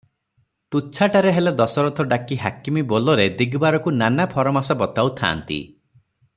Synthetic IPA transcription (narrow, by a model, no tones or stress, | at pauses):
t̪ut͡ʃʰaʈaɾeɦeled̪ɔsɔɾɔt̪ʰɔɖakiɦakimibolɔɾed̪iɡbaɾɔkunanapʰɔɾɔmasabɔt̪awt̪ʰa̰ːnt̪ḭ